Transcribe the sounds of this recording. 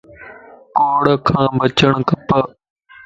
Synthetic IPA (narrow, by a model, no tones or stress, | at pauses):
koːɽkʰãːbət͡ʃəɳkəpə